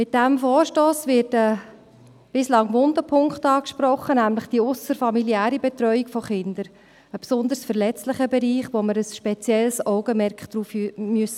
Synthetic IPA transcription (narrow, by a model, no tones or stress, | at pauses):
mɪt̚d̥æmfɔːɾʃtoːsʋɪɾtə | b̥ɪslɑŋʋʊndəpʰʊŋkχtɑːkʃpɾɔχənæmləχd̥iʊsəɾfɑmiliæːɾibɛt̪ɾœʏikfɔχɪnd̪əɾ | əpsʊnd̪əɾsfəɾlɛt͡stlɪχəbɛɾiːχʋoməɾəsʃpɛt͡sjɛlsɔʊɡəmɛɾkχd̥ɾuːfymyəsə